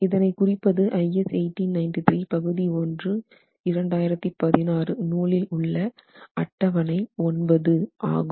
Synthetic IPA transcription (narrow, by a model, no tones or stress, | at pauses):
ɪðɐnɐɪkʊrɪpːɐðɯʔɐɪɛseɪʈːinnɐɪnʈɪt̪ɾiːpɐɣɯðiɔndrɯ | ɪɾɐɳɖaːjɪɾɐt̪ːɯpɐðɪnaːrɯnuːɭɪlʊɭːɐɐʈːɐʋɐnɐɪɔnbɐðɯʔa̰ːɣɯm